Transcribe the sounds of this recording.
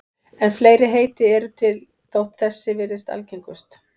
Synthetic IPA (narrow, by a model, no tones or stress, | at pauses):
ɛnfleːjɾɪɦeːjt̪ɪɛɾʏt̪ʰɪl | θowht̪θɛsːɪvɪɾɪst̪a̰lcejŋkʏst̪